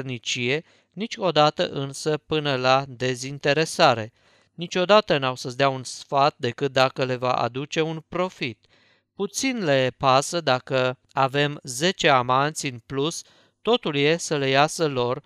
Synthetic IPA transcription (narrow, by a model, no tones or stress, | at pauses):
rnit͡ʃije̞ | nit͡ʃʲo̞d̪at̪ə̰ʔɨnsəpɨnəlad̪e̞zint̪e̞ɾe̞saɾe̞ | nit͡ʃʲo̞d̪at̪ənawsəsd̪eaunsfat̪̚d̪e̞kɨt̪̚d̪akəle̞va̰ʔa̰d̪ut͡ʃe̞unpɾo̞fit̪ | put̪sinle̞pasəd̪akə | ave̞mze̞t͡ʃe̞amant̪sʲɨnplus | t̪o̞t̪ulje̞səle̞jasəlo̞r